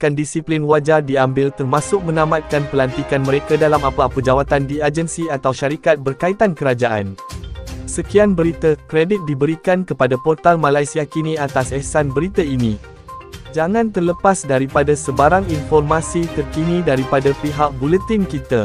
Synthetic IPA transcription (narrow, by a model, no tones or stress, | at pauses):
kandisiplinwad͡ʒadiambɪlt̪ərmãsʊk̚mə̃nãmat̪̚kanpəlant̪ikanmə̃ɾekadalamapaːpəd͡ʒawat̪andiad͡ʒənsiat̪awʃaɾikat̪̚bərkait̪ankəɾad͡ʒaʔa̰n | səkianbəɾit̪əkɾedɪt̪̚dibəɾikankəpadapɔrt̪almãlajsiakinĩat̪asɛsanbəɾit̪ainĩ | d͡ʒaŋãnt̪ərləpasdaɾipadasəbaɾaŋinfɔrmãsit̪ərkinĩdaɾipadapiɦaʔ̚bulət̪inkit̪a